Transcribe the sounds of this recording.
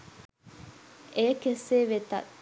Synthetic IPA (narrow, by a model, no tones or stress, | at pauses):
ʔeːkeseːʋet̪ɐ̰